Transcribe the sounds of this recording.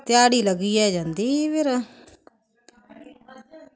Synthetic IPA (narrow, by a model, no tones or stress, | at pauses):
t̪ɪjaːɽiːləɡiːɛːd͡ʒãːnd̪iːpɪɾ